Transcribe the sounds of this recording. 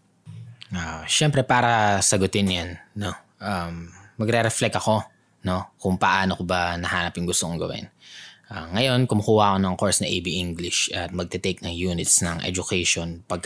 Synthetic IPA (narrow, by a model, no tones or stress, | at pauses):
ʔaʃɛmpɾɛpaːɾɐsɐɡʊt̪ɪnjanːo̞ | ʔamːɐɡɾɛɾɛflɛkɐko̞ | no̞kʊŋpɐʔaːnokobɐnɐhaːnɐpjʊŋɡʊst̪oŋʊŋɡɐ̰wɪ̰nʔaŋɐjo̞nkʊmʊkuːwakonɐŋkoɹsnɐʔejbiʔɪŋɡlɪʃʔɐt̪̚mɐɡ̚t̪ɛt̪ejk̚nɐŋjuːnɪt̪snɐŋʔɛ̰d͡ʒʊkɛʃonpɐɡ̚k